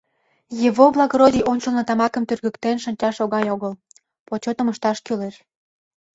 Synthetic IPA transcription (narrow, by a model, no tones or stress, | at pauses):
jəβoβlˠɑɣɾod̪ʲiʔonʃəlnɤ̆t̪ɑmɑkə̆mt̪yrɣə̆kt̪enʃə̆nʲt͡ɕɑʃoɣɑjoɣəl | pot͡ɕot̪ə̆məʃt̪ɑʃkyleʃ